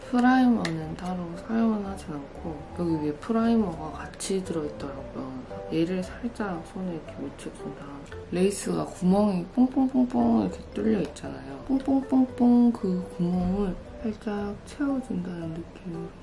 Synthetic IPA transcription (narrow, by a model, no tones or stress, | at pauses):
pʰɯɾaimʌnɯntaɾosʰajoŋɦanɦad͡ʑinankʰo | jʌɡiɥiepʰɯɾaimʌɡakat͡ɕʰitɯɾʌit̚t͈ʌɾaɡujosʰʌje̞ɾɯɭsʰaɭt͡ɕ͈aɾasʰonekʰemot͡ɕʰiuda | le̞is͈ɯɡakumʌŋipʰoŋp͈ʰoŋp͈ʰoŋp͈oŋkʰet͈uʎːʌit̚t͡ɕ͈anajopʰoŋp͈ʰoŋp͈ʰoŋp͈oŋkɯkumʌŋɯɭpʰaɭt͡ɕ͈at͡ɕʰe̞ʌd͡ʑundanɯnːɯk͈inɯ